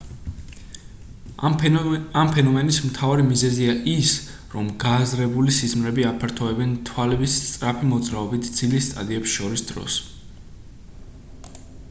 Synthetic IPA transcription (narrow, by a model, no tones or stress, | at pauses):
ampʰɛnɔmɛnismt̪ʰavaɾimizɛziaʔis | ɾɔmɡaːzɾɛbulisizmɾɛbiapʰaɾt̪ʰɔɛbɛnt̪ʰwalɛbist̪sʼɾapʰimɔd̪zɾaɔbit̪ʰd̪z̥ilist̪ʼa̰d̪iɛpsʃɔɾisd̪̥ɾɔ̰s